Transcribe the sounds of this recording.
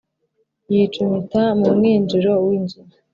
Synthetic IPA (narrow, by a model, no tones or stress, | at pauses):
jiːt͡ʃumitamumŋiːnd͡ʒiɾo̞winzuma